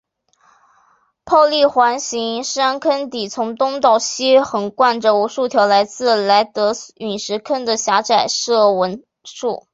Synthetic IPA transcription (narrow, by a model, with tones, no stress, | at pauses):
pʰɑ˥˧ʊli˥˩xwa˧˥nɕi˧˥ŋʂa˥nkʰə˥nt̪i˨˩t͡sʰʊ˧˥ŋt̪ʊ˥ŋt̪ɑ˥˩ʊɕi˥xə˨˩nkwa˥˩nʈ͡ʂə˨˩u˧˥ʂu˥˩t̪ʰjɑ˧˥ʊla˧˥ɪt͡sɹ̩˥˩la˧˥ɪt̪ɤ˧˥y˨˩nʂɻ̩˧˥kʰə˥nd̪ə˨ɕja˧˥ʈ͡ʂa˨˩ɪʂɤ˥˩wə˧˥n | ʂu˥˩